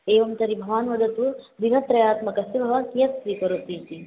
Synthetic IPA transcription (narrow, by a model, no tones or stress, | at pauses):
eːʋɐmt̪ɐɾibʱɐʋaːnʋɐd̪ʱɐt̪ud̪iɡɐt̪ɾɐjaːt̪mɐkɐsibʱɐʋaːnkijɐt̪sɾiːpɐɾut̪iːt̪i